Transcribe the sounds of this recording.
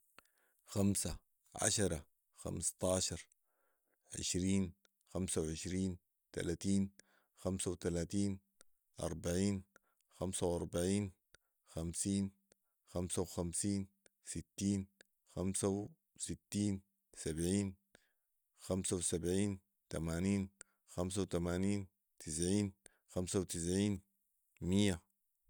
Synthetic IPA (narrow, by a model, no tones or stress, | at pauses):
xamsa | ʕa̰ʃɑɾˤɑ | xa̰mst̪ˤɑːʃɑɾˤ | ʕɪ̰ʃɾiːn | xamsawʕɪʃɾiːn | t̪a̰laːt̪iːn | xamsawt̪alaːt̪iːn | ʔɑ̰ɾˤbaʕiːn | xamsawʔɑɾˤbaʕiːn | xamsiːn | xamsawxamsiːn | sit̪ːiːn | xamsaw | sit̪ːiːn | sabʕiːn | xamsawsabʕiːn | t̪amaːniːn | xams̬awt̪amaːniːn | t̪ʰɪs̬ʕiːn | xamsawt̪ɪs̬ʕiːn | mijːa